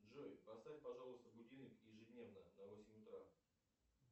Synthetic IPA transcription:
dʐojpɐst̪afʲpɐʐɑlˠʊst̪əbʊdʲinɨkjɪʐɨdʲnʲe̞vnənɐvosʲɪmʲʊt̪ɾa

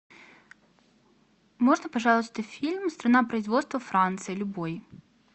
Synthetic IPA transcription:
mɔʐnɐpɐʐalˠət̪ʲt̪ɨfʲilʲmst̪ɾɐnapɾɐjzvɔt̪st̪vɐfɾant̪sɨjɐlʲʊbɔj

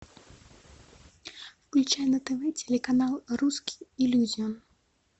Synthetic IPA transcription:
wklʲut͡ʃajɛnɐt̪ɛvɛt͡sʲɛlʲɛkanalˠruskʲi̥ilʲuzʲiɔn

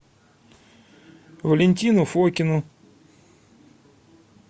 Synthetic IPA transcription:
vəlʲɪnʲt̪ʲinʊfɔkʲɪnʊ

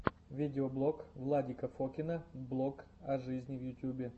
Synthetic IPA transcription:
vʲidʲɪoblˠokvlˠadʲikəfokʲɪnəblˠok | ɐʐɨzʲnʲɪvjʊtʲjubʲɪ

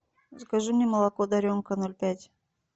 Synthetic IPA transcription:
zkaʒumnʲeməlˠakod̪aɾʲoŋkanolʲpʲætʲ

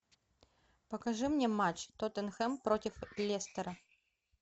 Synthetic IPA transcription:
pəkɐʐɨmnʲemat͡ɕt̪ot̪ɛnxɛmpɾotʲɪflʲest̪əɾə

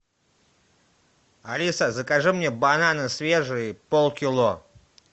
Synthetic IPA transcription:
alʲisəzəkaʐɨmnʲebananɨsvʲeʐɨjəpolˠkʲilˠo

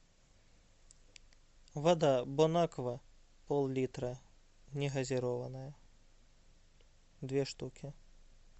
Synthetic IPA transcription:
vad̪abɔnakvɐ | pɔlˠlʲit̪ɾɐ | nʲɛɣɐzʲɪɾɔvɐnɐjɐ | d̪vʲɛʂt̪ukʲʰi

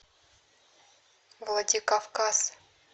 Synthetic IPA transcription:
vlˠadʲikafkas

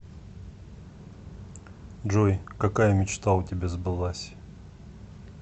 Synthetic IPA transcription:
ʐojkɐkajəmʲɪt͡ɕt̪aʊtʲɪbʲezbɨlˠasʲ

